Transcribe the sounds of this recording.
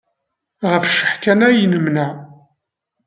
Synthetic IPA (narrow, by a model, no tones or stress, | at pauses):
ʁəfʃə̥ħkænæjnəmnæ